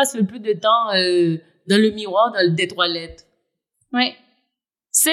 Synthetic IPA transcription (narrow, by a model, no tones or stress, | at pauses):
asəpød̪ət̪ɑ̃ø | d̪ɑ̃ləmiʁwaʁd̪ɑ̃d̪et̪walɛt̪ | wɛ | sɛ